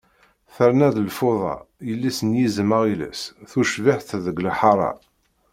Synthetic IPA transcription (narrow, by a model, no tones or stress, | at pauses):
θəɾnæðəlfoðˤɑ̰jəlːisənjizməʁilæ̰sθuʃvaħθðəɡlħɑɾˤɑ̰